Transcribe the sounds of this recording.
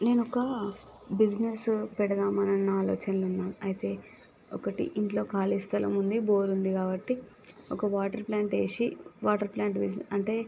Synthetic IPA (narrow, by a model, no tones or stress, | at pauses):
ne̞ːnɔkɐbid͡ʒnespɛɽɐd̪aːmɐnɐnːɐaːlɔːt͡ʃɐnlunːaːmɐjt̪e̞ː | ɔkɐʈḭʔiɳʈlo̞ːkaːlist̪ʰɐlɐ̰mund̪ibo̞ːɾund̪ikaːbɐʈːi | ɔkɐʋaːʈɐɾplaːɳʈe̞ːʂiʋaːʈɐɾplaːɳʈbid͡ʒnɐɳʈe̞ː